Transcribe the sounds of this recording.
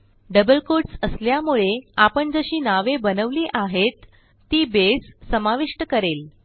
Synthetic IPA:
ɖəbəlkoʈsəsljamuɭeapəɳd͡zəɕiːnaʋebənəʋliːʔaɦet̪ː | iːbesːəmaʋiʂʈəkəɾel

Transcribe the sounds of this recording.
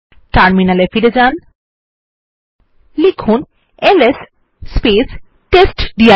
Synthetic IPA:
ʈaɾminalefiɾed͡ʑan | likʰun | elesː | pes | ʈesʈɖia

